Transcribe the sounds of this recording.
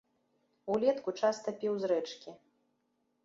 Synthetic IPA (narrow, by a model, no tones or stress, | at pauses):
ulʲɛt̪kut͡ʂast̪ɐpʲiwzɾɛt͡ʂkʲi